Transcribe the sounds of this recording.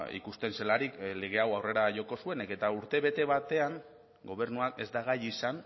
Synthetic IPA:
ḭkust̪e̞nse̞laɾikle̞ɣ̞e̞awawre̞ɾaʝo̞ko̞sue̞neke̞t̪auɾt̪e̞βe̞t̪e̞βat̪e̞aŋ | ɡo̞β̞e̞ɾnuake̞̰zd̪aɣ̞ajisan

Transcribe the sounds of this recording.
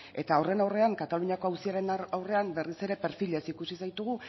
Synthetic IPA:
e̞t̪aore̞nawre̞aŋkat̪aluɲako̞awsiaɾe̞nawre̞ambe̞rise̞ɾe̞pe̞ɾfile̞sikusisajt̪uɣ̞u

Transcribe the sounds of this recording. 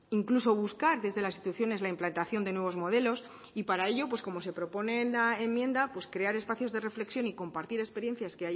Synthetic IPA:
iŋkluso̞β̞uskaɾðe̞zðe̞lasit̪uθjo̞ne̞zlaimplant̪aθjo̞nd̪e̞nwe̞βo̞zmo̞ðelo̞s | ipaɾae̞ʎo̞pwe̞sko̞mo̞se̞pɾo̞po̞ne̞nlaemːjẽ̞nd̪apwe̞skɾe̞aɾe̞spaθjo̞zðe̞re̞fle̞ksjo̞niko̞mpaɾt̪iɾespe̞ɾje̞n̟θjaske̞aj

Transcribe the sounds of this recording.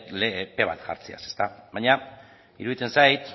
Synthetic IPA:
lepe̞β̞a̰t̪ʝa̰ɾt͡sia̰sest̪aβajɲa | ḭɾuðit͡s̪e̞nsajt̪

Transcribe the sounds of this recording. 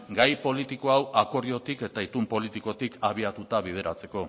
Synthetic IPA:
ɡajpo̞lit̪iko̞awakoɾio̞t̪ike̞t̪ait̪umpo̞lit̪iko̞t̪ikʰaβiat̪ut̪aβið̞e̞ɾat͡se̞ko̞

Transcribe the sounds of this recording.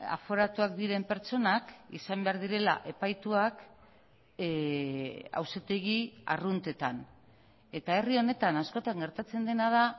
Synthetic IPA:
a̰fo̞ɾat̪uak̚d̪iɾe̞mpe̞ɾt͡ʃo̞nakḭsambe̞aɾðiɾe̞la̰ʔe̞pajt̪uak | a̰wset̪e̞ɣia̰runt̪e̞t̪an | e̞t̪ae̞rio̞ne̞t̪anasko̞t̪aŋɡe̞ɾt̪at͡se̞nd̪e̞nað̞a

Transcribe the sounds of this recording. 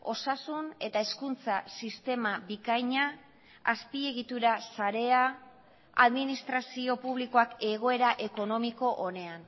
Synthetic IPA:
o̞sasune̞t̪aeskunt͡sasist̪e̞mabikajɲa | aspie̞ɣit̪uɾasaɾe̞a | a̰ðminist̪ɾasio̞puβliko̞ake̞ɣ̞o̞e̞ɾaʔe̞ko̞no̞miko̞ʔone̞an

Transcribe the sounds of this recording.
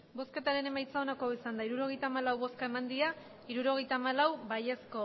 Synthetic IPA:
bo̞ske̞t̪aɾe̞ne̞majt͡sao̞nako̞isand̪aiɾuɾo̞ɣ̞e̞jt̪aːmalawβo̞skae̞mand̪ia | iɾuɾo̞ɣ̞e̞jt̪aːmalawbaje̞sko̞

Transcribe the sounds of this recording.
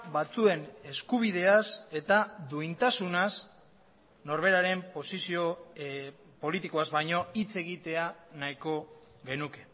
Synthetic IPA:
βat͡sue̞ne̞skuβ̞ið̞e̞ase̞t̪aðuint̪asunas | no̞ɾβ̞e̞ɾaɾe̞mpo̞sisio̞ | po̞lit̪iko̞azβajɲo̞it͡se̞ɣ̞it̪e̞anaiko̞ | ɣe̞nuke̞

